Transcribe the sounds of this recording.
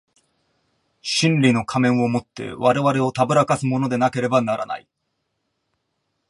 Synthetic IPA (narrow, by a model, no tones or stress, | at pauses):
ɕĩnɾʲino̞kʰamẽ̞ɰ̃o̞mo̞t̪ːe̞̰βaɾe̞βaɾe̞o̞t̪abɯ̟ɾakasɨmo̞no̞d̪e̞nake̞ɾe̞banaɾa̰na̰i